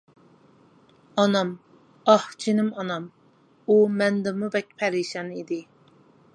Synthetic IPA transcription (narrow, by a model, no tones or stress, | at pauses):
ɑnɑm | ɑht͡ʃʰinɪmɑnɑm | umɛnd̪ɪmubɛk̚ʲpʰɛɾiʃɛnid̪ɪ